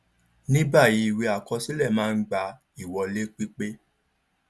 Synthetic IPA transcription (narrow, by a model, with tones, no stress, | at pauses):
nĩ˦ba˦˨ji˨˦i˨wi˧a˨kɔ˧si˦lɛ˦˨mãː˦˧˦ɡ͡ba˧ | i˦˨wɔ˧le˦k͡pi˦k͡pe˦